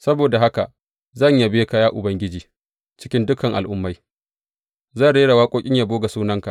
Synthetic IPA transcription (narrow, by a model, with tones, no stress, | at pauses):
sɐ˦boː˨da˨ɦa˦ka˨ʔ | zɐ˦˨ɲja˨beː˦ka˦jaː˦ʔʊ˨bɐ˦ŋɡʲɪ˦d͡ʒiː˨ | t͡ʃɪ˦kʲɪ˦ndʊ˦kɐ˨ŋʔa̰˨lʔʊ˦mːa˦j | zɐ˦˨ɽeː˦ɽa˨waː˦kʷʼoː˦kʲʼɪ˦ɲja˨boː˦ɡa˨suː˦nɐ˦ŋka˨ʔ